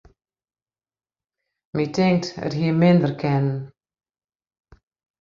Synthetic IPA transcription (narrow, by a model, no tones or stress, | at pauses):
mitɪŋk̚tə̰tɦiːəmɪndərkʰɛnn